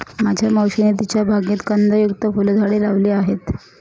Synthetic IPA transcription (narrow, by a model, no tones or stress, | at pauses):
mad͡ʑʱjaməwɕinit̪it͡ɕjabʱaɡĩːt̪kənd̪əjukt̪əfuld̪ʱaɽelaʋliːaɦet̪